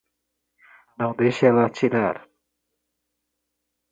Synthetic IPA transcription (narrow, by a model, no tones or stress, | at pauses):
nɐ̃w̃d̪ejʃɛlɐːt͡ʃiɾaɾ